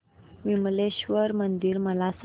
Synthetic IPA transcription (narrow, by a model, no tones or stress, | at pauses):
ʋimleɕʋəɾmənd̪iːɾməlas